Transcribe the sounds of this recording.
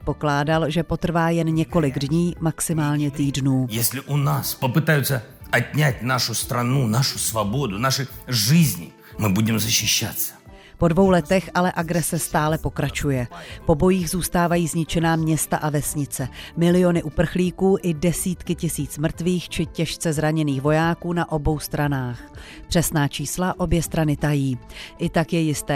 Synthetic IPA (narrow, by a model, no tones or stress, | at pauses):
t̪̚po̞klaːdalʒɛpo̞t̪r̩vaːjɛnɲɛko̞lɪɡdɲiːmaksɪmaːlɲɛt̪iːdnuːjɛsʲlʲɪʔunaspɐpɨt̪ajʊt̪sːɐɐt̚ʲnʲatʲnaʂʊst̪ɾanunaʂʊsvabod̪ʊnaʂɨʐɪzʲnʲɪ̰ | mɨbudʲɪmzɐɕːɪʃːa̰t̪sːəɐ̥ | po̞dvo̞wlɛt̪ɛxʔalɛʔaɡɾɛsɛst̪aːlɛpo̞kɾat͡ʃujɛpo̞bo̞jiːɣzuːst̪aːvajiːzɲɪt͡ʃɛnaːmɲɛst̪aʔavɛsɲɪt͡sɛmɪlɪjo̞nɪʔupr̩xliːkuːʔɪdɛsiːt̪kɪcɪsiːt͡smr̩t̪viːxt͡ʃɪcɛʃt͡sɛzɾaɲɛniːxvo̞jaːkuːnaʔo̞bo̞wst̪ɾanaːxpr̝̥ɛsnaːt͡ʃiːslaʔo̞bjɛst̪ɾanɪt̪ajiːʔɪt̪akjɛjɪst̪ɛː